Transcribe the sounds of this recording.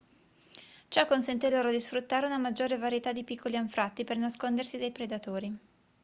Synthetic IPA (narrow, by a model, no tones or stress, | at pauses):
t͡ʃɔkːonsent̪eloːɾod̪isfɾut̪ːaːɾeunamad͡ʒːoːɾevaɾjet̪ad̪ipikʰːoliaɱfɾat̪ːipernaskond̪ersid̪ajpɾed̪at̪oːɾi